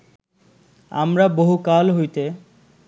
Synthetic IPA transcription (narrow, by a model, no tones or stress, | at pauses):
a̰mɾaboɦukalɦojt̪e